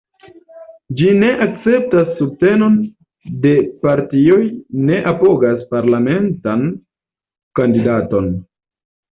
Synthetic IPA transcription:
d͡ʒine̞ʔak̚t͡se̞p̚tasːub̚te̞no̞n | de̞paɾtio̞jne̞ʔapo̞ɡaspaɾlame̞ntan | kandidato̞n

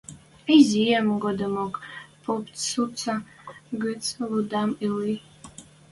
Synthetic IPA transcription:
izijɛmɡɔd̪ɨmɔkʼpʰopt͡ssut͡sʰa | ɡɨt͡sʼlud̪amili

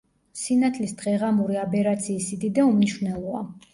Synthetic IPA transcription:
sinat̪ʰlisd̪̥ʁɛʁamuɾiabɛɾat̪sʰiːsid̪id̪aumniʃwnɛlˠɔa

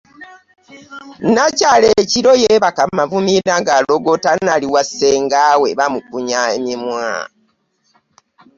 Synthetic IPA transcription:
nacaleciɾo̞jeβakamavumiɾaŋɡaloɡotanaliwase̞ːŋɡaweβamukuɲaḛmimwa̰ː

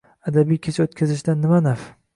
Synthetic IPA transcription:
ad̪abijkʲʰet͡ʃʰaot̪̚kʲʰazɪʃ̬d̪anːɪmanaf

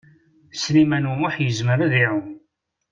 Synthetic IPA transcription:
snimænuaħjəzməɾaðiʕun

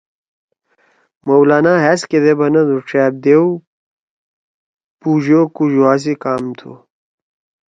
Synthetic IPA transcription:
mɐwlaːnaːɦesked̪ebɐnɐd̪uʈ͡ʂeːb̚d̪ew | puːd͡ʑokuʑoaːs̬ikaːmt̪ʰṵ

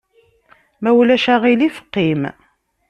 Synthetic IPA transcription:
mæwlæʃæʁilifə̥qːim

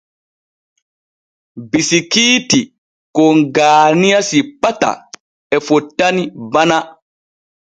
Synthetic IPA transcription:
bisikiːti | kɔŋɡaːnijasipːata̰ | ɛfɔtːanibana

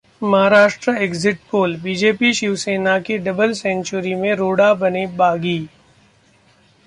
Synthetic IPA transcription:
mɐɦaɾaːʃʈɾəeːɡzɪʈ̚poːlbiːd͡ʒeːpiʃiʋseːnakeɖɐbəlsɛ̃ːɲt͡ʃʊɾimẽɾoːɽabɐnebaːɡiː

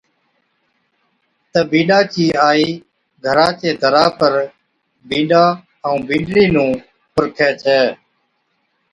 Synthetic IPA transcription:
t̪əbĩːɗaːt͡ʃiːaːiː | ɡʱəɾãːt͡ʃeːd̪ʱəɾaːpəɾ | bĩːɗaː | əũːbĩːɳɖɽiːnũː | pʊɾkʰeːt͡ʃʰeː

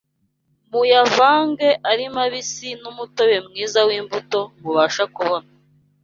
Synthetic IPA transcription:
mujavaːŋɡe̞ʔaɾimaβisinumutowe̞mŋiːzawiːmbuto̞muβaːʃakuβo̞na

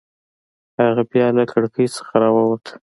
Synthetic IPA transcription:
haɣabjɑlakʰaɽkʰəjsə̥xaɾɑwawat̪ʰ

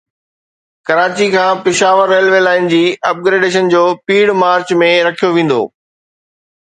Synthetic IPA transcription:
kɐɾaːt͡ɕikʰãːpɪʃaːʋəɾːeːlʋeːlaːɪnd͡ʑiːɐp̚ɡɾeːɖeːʃ̬ənd͡ʑoːpiːɽmaːɾt͡ɕmẽɾɐkʰijoʋẽːn̆d̪o̰ː

